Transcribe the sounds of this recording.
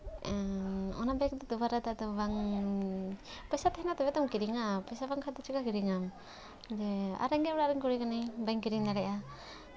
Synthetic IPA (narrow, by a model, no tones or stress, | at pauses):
ɔnabaɛk̚d̪ɔt̪ubaɾat̪at̪ɔbaŋ | pajsat̪aɛnat̪ɔβɛt̪ɔmkiɾiŋapajsabaŋkʰad̪ɔt͡ʃikakiɾiŋam | d͡ʒɛa̰ɾɛŋɡɛɔɾaɾɛŋkuɾikanibajŋkiɾiŋdaɾɛʔa